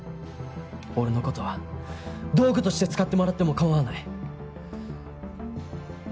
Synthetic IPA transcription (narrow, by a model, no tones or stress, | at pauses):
o̞ɾeno̞ko̞t̪o̞βa | d̪o̞ːɡɯ̟t̪oɕi̥t̪e̞t͡sɨ̥kat̪ːemo̞ɾat̪ːe̞mo̞kamaanai